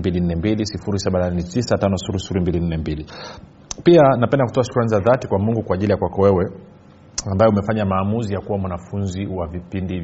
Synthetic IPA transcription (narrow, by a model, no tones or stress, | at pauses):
mbilin̩nɛmbilisifuɾisaɓananɛtisatanɔsifuɾisi̥fuɾimbilin̩nɛmbili | pianapɛndaku̥tɔaʃu̥kɾanizaðatikwamuŋɡukwaːʄilijakwakɔwɛwɛ | ambajɛumɛfaɲamaːmuzijakuwamwanafunziwavipindi